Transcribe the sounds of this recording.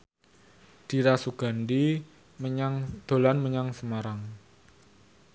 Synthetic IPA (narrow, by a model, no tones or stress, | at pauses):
d̪̥i̤ɾasuɡ̥a̤ndi | məɲaŋd̪̥o̤lanməɲaŋsəmaɾaŋ